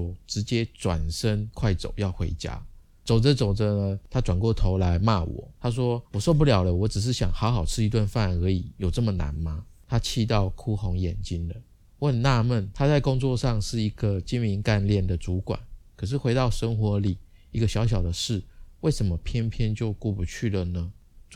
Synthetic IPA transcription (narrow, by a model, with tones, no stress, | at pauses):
ʈ͡ʂɻ̩˧˥t͡ɕjɛ˦˥t͡swa̰˨˩nʂə˦ŋkʰwa˥˩ɪt͡so̰˨˩˦ʊjɑ˥˩ʊxwe˧˥ɪt͡ɕja̰˥ | t͡so˨˩ʊd͡zə˦t͡so˨˩ʊd͡zə˦nə˨˦t̪ʰa˥t͡swa˨˩nkwɔ˥˩t̪ʰo˧˥ʊla˧˥ɪma˥˩wɔ̰˨˩˦t̪ʰa˥ʂ̬wɔ˥wɔ˨˩ʂɔ˥˧p̬u˥˨ljɑ˨˩ʊlə˦wɔ˧˥ʈ͡ʂɻ̩˨˩ʂ̬ɻ̩˥˩ɕjɑ̰˨˩ŋxɑ˧˥ʊxɑ˨˩ʊʈ͡ʂʰɻ̩˥˩i˧t̪wa˥˧nfa˥˧˩nə˧˥i˨˩˦jo˨˩ʊʈ͡ʂə˥˩mə˨˩na̰˨˧˥nma˧ | t̪ʰa˦t͡ɕʰi˥˧t̪̬ɑ˥˩ʊkʰu˥xo˧˥ŋjɛ˨˩nt͡ɕi˥nd̪ə˨ | wə˥˧nːa˥˧mə˥˩nt̪ʰa˥t͡sa˥˩ɪkʊ˦˥ŋt͡swɔ˥˧ʂɑ˥˧ŋʂɻ̩˥˩i˧˥ɡə˨t͡ɕi˦˥nmi˧˥ŋka˥˧nljɛ˥˩nd̪ə˩t͡su˧˥kwa̰˨˩˦nkʰɤ˨˩ʂ̬ɻ̩˥˩xwe˧˥ɪt̪ɑ˥˩ʊʂə˥ŋxwɔ˧˥li˨˩ | i˧˥ɡə˧ɕjɑ˧˥ʊɕ̬jɑ˨˩ʊd̪ə˦ʂɻ̩˥˩we˥˩ɪʂə˧˥mə˨pʰjɛ˥npʰjɛ˥nt͡ɕjo˥˧ʊku˥˩pu˧˦t͡ɕʰy˥˩lə˨nə˩